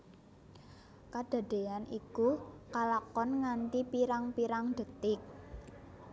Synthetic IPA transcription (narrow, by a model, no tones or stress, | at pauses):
kad̥a̤ɖ̪̥e̤anikukalakɔnŋant̪ipiɾaŋpiɾaŋd̪̥ə̤t̪ɪk̚